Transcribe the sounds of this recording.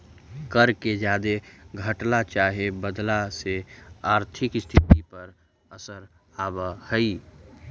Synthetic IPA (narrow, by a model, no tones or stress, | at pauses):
kəɾked͡ʒaːd̪eɡʱəʈlat͡ʃaːɦebəd̪laseaːɾt̪ʰɪkst̪ʰɪt̪ipəɾ | əsəɾ | aːbəhəi